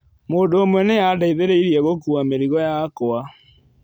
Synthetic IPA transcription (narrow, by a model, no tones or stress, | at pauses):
moːndoːmwɛneadaiðeɾeiɾiɛɣokuameɾiɣɔjakoa